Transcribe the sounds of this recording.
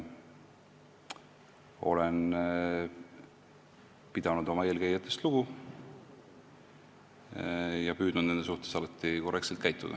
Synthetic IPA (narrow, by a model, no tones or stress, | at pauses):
o̞len | pid̪̥ɑnud̪o̞mɑe̞ːlkejɑt̪ˑːe̞st̪luɡ̥u | jɑpyːd̪̥nud̪̥ned̪es̬uht̪esɑlɑt̪ːˑiko̞rːʔekt̪selt̪̚kæjt̪ːˑṵd̪ɑ̰